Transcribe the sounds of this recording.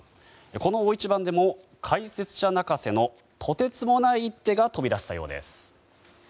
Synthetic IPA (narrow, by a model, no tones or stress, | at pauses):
eko̞no̞ːit͡ɕibãnd̪e̞mo̞ | kʰaise̞t͡sɨ̥ɕanakase̞no̞ | t̪ʰo̞t̪e̞t͡sɨmo̞naiːt̪ːe̞ɡat̪o̞bʲiɾaɕe̥t̪a̰jo̞̰ːd̪e̞̰sɨ̥